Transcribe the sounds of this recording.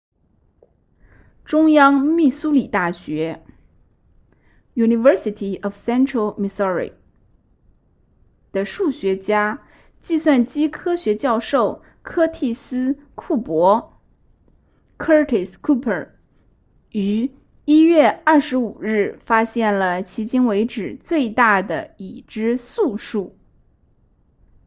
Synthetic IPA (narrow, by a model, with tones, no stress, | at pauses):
ʈ͡ʂʊ˥ŋjɑ˥ŋmi˥˩su˥li˨˩t̪a˥˩ɕɥɛ˧˥ | ju˨˩ni˧˩ʋə˧˥si˧t̪ʰi˨˩ɔ˨˩fsɛ˥nʈ͡ʂʰɹə˧lmi˥˧sɔ˥˧˥ɹḭ˨˩ | d̪̥ə˨ʂu˥˩ɕɥɛ˧˥t͡ɕja˥ | t͡ɕi˥˧swa˥˩nt͡ɕi˥kʰɤ˥ɕɥɛ˧˥t͡ɕjɑ˥˧ʊʂo˥˩ʊ | kʰɤ˥t̪ʰi˥˩sɹ̩˥ | kʰu˥˩pwɔ˧˥ | kʰə˥t̪ʰɛ˨˩skʰu˥pʰə˨˩ | y˧˥ | i˥ɥɛ˥˧ɐ˥˩ʂɻ̩˧˥u˨˩ɻɻ̩˥˩fa˥ɕjɛ˥˩nlə˩t͡ɕʰi˧˥t͡ɕi˥ŋwe˧˥ɪʈ͡ʂɻ̩˨˩t͡swe˥˧ɪt̪a˥˩d̪ə̰˩i˨˩ʈ͡ʂɻ̩˥su˥˧ʂu˥˩